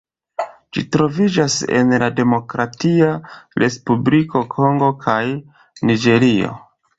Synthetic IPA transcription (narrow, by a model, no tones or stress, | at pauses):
d͡ʒḭtɾo̞vid͡ʒase̞̰nlade̞mo̞kɾatiaɾʔe̞spubliko̞kʰo̞ŋɡo̞kʰaj | nid͡ʒe̞ɾio̞̰